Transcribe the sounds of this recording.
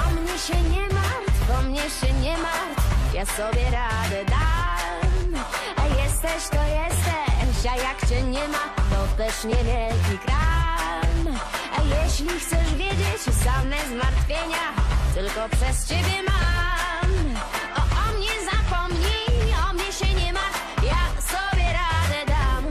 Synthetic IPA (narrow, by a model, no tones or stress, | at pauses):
ɔmɲɛɕɛɲɛmaɔmɲɛɕɛɲɛma | jasɔbʲjɛɾad̪ɛd̪a | m | ajɛst̪ɛɕt̪ɔjɛst̪ɛɕajakt͡ɕɛɲɛmat̪ɔt̪ɛʂɲɛvʲjɛlkʲikɾa | majɛɕlʲixt̪sɛʂvʲjɛd͡ʑet͡ɕsamɛzmaɾt̪fʲjeɲat̪ɘlkɔpʂɛst͡ɕebʲjɛmam | ɔʔɔmɲɛzapɔmɲiɔmɲɛɕɛɲɛma | jaksɔbʲjɛɾad̪ɛd̪am